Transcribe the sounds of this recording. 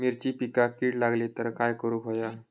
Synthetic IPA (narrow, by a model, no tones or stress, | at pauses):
miɾt͡ɕiːpikakiːʈlaɡlit̪əɾkajkəɾupoja